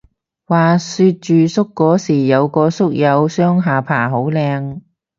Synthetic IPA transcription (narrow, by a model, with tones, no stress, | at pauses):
waː˨˩syː˧t̚t͡ʃyː˨˧sʊ˥kːɔː˨˥siː˨˩jɐ˨˧wkɔː˧sʊ˥k̚jɐ˨˧wsœː˥ŋɦaː˨˩pʰaː˨˩ɦo˨˥wlɛː˧ŋ